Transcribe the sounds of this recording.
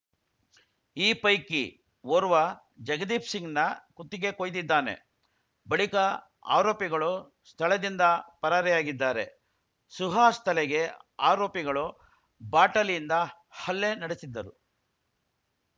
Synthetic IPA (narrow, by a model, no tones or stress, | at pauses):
iːpɐjki | ʋoɾuʋɐ | d͡ʒɐɡɐd̪iːpʰsiŋɡnɐkut̪ːiɡe̞koːjd̪id̪ːaːne̞̰ | bɐɭikɐ | a̰ːɾoːpiɡɐɭu | st̪ʰɐɭɐd̪ind̪ɐpɐɾaɾɛjaːɡid̪ːaːɾe̞ | suɦaːst̪ʰɐlɛɡe̞aːɾoːpiɡɐɭu | baːʈɐlind̪ɐ | hɐlːe̞nɐɽesid̪ːɐɾu